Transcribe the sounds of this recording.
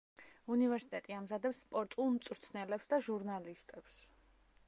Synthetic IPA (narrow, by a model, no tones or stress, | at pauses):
univɛɾsi̥t̪ʼɛt̪ʼiamzad̪ɛpsːpʼɔɾt̪ʼulˠmt̪sʼuɾt̪ʰnɛlɛpsd̪aʒuɾnalist̪ʼɛps